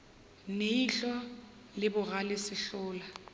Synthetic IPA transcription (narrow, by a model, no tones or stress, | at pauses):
neiɬɔ | lɪbʊɣalɪsɪɬʊːla